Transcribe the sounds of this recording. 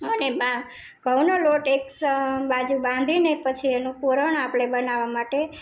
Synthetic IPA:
əneba | ɡʱəʋnoloʈekbad͡ʒubãnd̪ʱinepət͡ʃʰienũpuɾəɳapɭebənaʋamaʈe

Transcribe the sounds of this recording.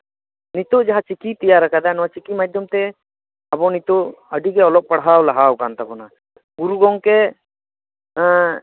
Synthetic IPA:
nit̪ɔʔd͡ʒaɦat͡ʃikit̪ijaɾakad̪anɔwat͡ʃikimad͡ʒd̪jɔmt̪ɛ | abɔnit̪ɔʔəɖiɡɛɔlɔʔ̚paɽɦawlaɦawkant̪akɔna | ɡuɾuɡɔŋkɛ

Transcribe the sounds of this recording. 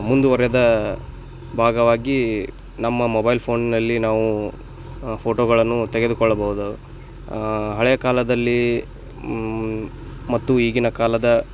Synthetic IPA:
mund̪uʋɐɾɛjɐd̪ɐ | bʱaːɡɐʋaːɡi | nɐmːɐmobɐjlpʰo̞ːnnɐlːinaːʋu | pʰoːʈoːɡɐɭɐnːut̪ɛɡe̞d̪ukɔɭːɐbɐɦud̪u | ɦɐɭɛjɐkaːlɐd̪ɐlːi | mɐt̪ːuiːɡinɐkaːlɐd̪ɐ

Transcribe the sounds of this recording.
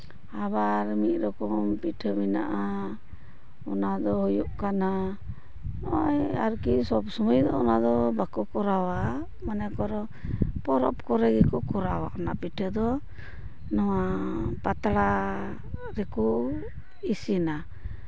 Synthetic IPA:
abaɾmit̚ɾɔkɔmpiʈʰəmina̰ʔa | ɔnad̪ɔhɔjuʔkana | nɔjaɾkisɔbsɔmɔjd̪ɔɔnad̪ɔbakɔkɔɾawa | manɛkɔɾɔ | pɔɾɔpkɔɾɛɡɛkɔkɔɾawa̰ʔɔnapiʈʰəd̪ɔ | nawapat̪aɽa | ɾɛkɔ | isina

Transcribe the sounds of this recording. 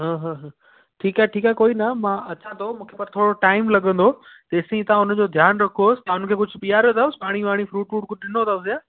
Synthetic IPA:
ɦãːɦãːɦə̃ː | ʈʰiːkaːeʈʰiːkaɦkoːinɐmãːɐt͡ɕʰãt̪ʰomũːkʰeːpɐɾt̪ʰoːɽoʈaːɪmlɐɠə̃nd̪o | t̪ɐɪsĩt̪ɐãʊnd͡ʑoːd̪ʱjaːnɾɐkʰoːsɪ̥t̪aaʊnkʰeːkʊd͡ʑʱpijaɾot̪ʰaːʊsɪ̥paːɽ̃iʋaːɽ̃ifɾuːʈfuːʈkʊɗɪnot̪ʰaːʊsijaː

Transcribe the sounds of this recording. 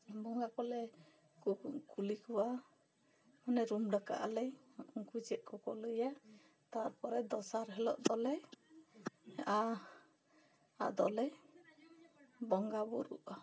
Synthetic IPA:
bɔŋɡakɔlɛ | kkulikuwa | hɔnɛɾumɖaka̰ʔalɛjuŋkud͡ʒɛʔ̪̚kɔkɔləja | t̪aɾpɔɾɛd̪ɔsaɾɦɛlɔ̰ʔd̪ɔlɛ | a | a̰ʔd̪ɔlɛ | bɔŋɡabuɾṵʔa

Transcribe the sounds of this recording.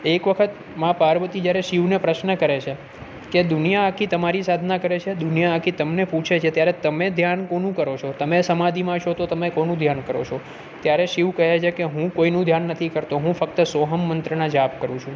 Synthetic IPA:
ekʋəkʰət̪ | mãpaɾʋət̪id͡ʒjaɾeʃiʋnepɾəʃnəkəɾet͡ʃʰe | ked̪ʊnijaːkʰit̪əmaɾisad̪ʱnakəɾet͡ʃʰed̪unjaakʰit̪əmnepũt͡ʃʰet͡ʃʰet̪jaɾet̪əmed̪ʱjankonũkəɾot͡ʃʰot̪əmesəmad̪ʱimãʃot̪ot̪əmekonũd̪ʱjankəɾo̰t͡ʃʰo | t̪jaɾeʃiʋkəɦet͡ʃʰekeɦũkoinũd̪ʱjanːət̪ʰikəɾt̪oɦũfək̚t̪əsoɦəmːənt̪ɾənad͡ʒapkəɾũt͡ʃʰũ

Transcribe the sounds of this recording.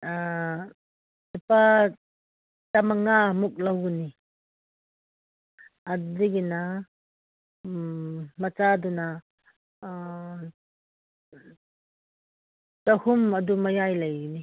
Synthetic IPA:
dupa | tɐmɐŋamuk̚lawni | adiɡina | mɐt͡ʃaduna | tɐhumɐdumɐjajlɐjɡini

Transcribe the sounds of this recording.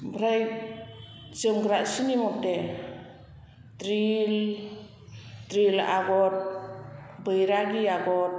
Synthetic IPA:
bɾaj | t͡ʃɯmɡɾaʔsinimɔtːe | tɾil | tɾila̰ɡɔt̚ | bɯjɾaɡiaɡɔt̚

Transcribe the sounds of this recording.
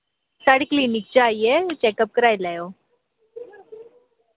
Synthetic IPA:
saɽiklinik̚d͡ʑajet͡ɕɛkəp̚kəɾajlajo

